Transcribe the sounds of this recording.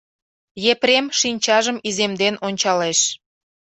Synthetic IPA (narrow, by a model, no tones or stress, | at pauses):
jepɾemʃinʲt͡ɕɑʒəmizemd̪enonʲt͡ɕɑleʃ